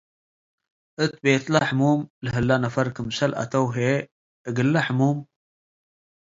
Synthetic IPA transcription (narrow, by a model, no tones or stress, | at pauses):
ʔət̪̚beːt̪laħmuːmlɦəlːanafɐɾkəmsalʔa̰t̪ɐwɦe | əɡəlːaħmum